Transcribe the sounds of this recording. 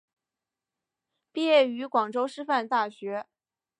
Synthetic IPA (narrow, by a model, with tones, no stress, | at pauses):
pi˥˧jɛ˥˩y˧˥kwɑ˨˩ŋʈ͡ʂo˥ʊʂɻ̩˥fa˥˧nt̪a˥˩ɕɥɛ˧˥